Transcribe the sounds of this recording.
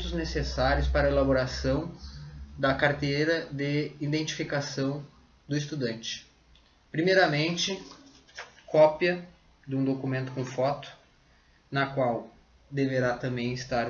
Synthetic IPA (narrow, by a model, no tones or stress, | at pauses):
t̪ʊznesesaɾjʊspaɾɐelaboɾasɐ̃w̃ | d̪ɐkaɾt̪ejɾɐd̪ɪid̪ẽnt͡ʃi̥fikasɐ̃w̃ | d̪ʊɪst̪ud̪ɐ̃nt͡ʃɪ̥ | pɾimejɾɐmẽnt͡ʃɪ | kɔpjɐ | d̪ɪũd̪okumẽnt̪ʊ̥kõw̃fɔt̪ʊ̥ | nɐkwaw | d̪eveɾat̪ɐ̃mbẽj̃ɪst̪aɾ